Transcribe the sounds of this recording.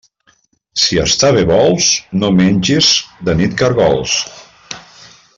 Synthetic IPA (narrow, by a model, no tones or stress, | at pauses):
siə̰st̪aβeβɔlˠznomenʲʒizd̪ənit̪kəɾɣɔlˠs